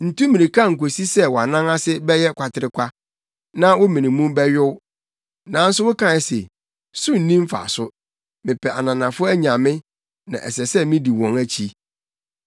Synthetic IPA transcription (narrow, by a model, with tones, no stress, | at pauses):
n̩˨tũ˦mĩ˨nĩ˨kʰa˦˨ŋ̩˨k̬o˨si˦sɛ˦wɔ˨a˨nã˦ŋa˦sɪ˦bɛ˦jɛ˦kʷʰa˨tʰɪ˨ɾɪ˨kʷʰa˦ | nã˦wʊ˦mĩ˨nĩ˨mũ˦bɛ˦ɥɪ˦w | nã˨˦n̩˦sʊ˦wʊ˦kʰã˨ɪ˨sḛ˨ | sʊ˦n̩˨nĩ˦m̩˦fa̰˨sʊ˦ | mɪ̃˨pʰɛ˨a˨nã˨nã˨fʊ˦æ˦ɲã˨mɪ̃˦ | nã̰˨ʔɛ̰˨sɛ˨sɛ˦mĩ˦di˨wɔ̃˨ŋæ˦t͡ɕʰi˦